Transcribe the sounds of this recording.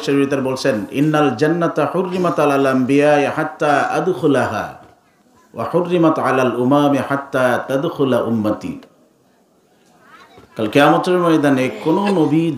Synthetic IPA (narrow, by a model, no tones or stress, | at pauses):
ʃeɾiɾit̪aɾbolt͡ʃʰenɪ̰nːald͡ʒanːat̪aħʊrːɪmat̪alalʔambijaːʔiħat̪ːaːʔad̪xʊlaɦa̰ː | wa̰ħʊrːɪmat̪ʕalaːlʔʊmaːmiħat̪ːaːt̪ad̪xʊlaʔʊmːat̪ḭː | kalkijaːmat̪eɾmajd̪anekononobid̪